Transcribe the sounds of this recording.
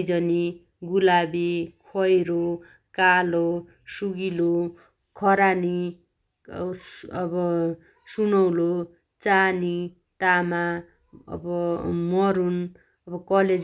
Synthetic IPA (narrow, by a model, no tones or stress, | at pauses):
d͡zʌni | ɡulabikʰʌjɾo | kalo | suɡilo | kʰʌɾani | ʌbʌ | sunʌwlo | t͡sani | t̪ama | ʌ̰bʌmʌɾun | ʌbʌkʌled͡z